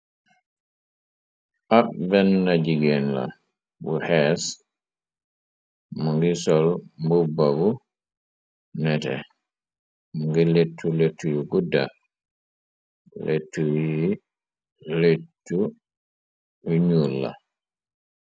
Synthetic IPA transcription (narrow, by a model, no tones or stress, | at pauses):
ʔabɛnːad͡ʒiɡɛnla̰ | buhɛs | mɔŋɡisɔlmbubːabu | nɛtɛ̰ | mɔŋɡɛletʰːuletʰːujuɡudːa̰ | lʔetːuwi | letːu | uɲulːa̰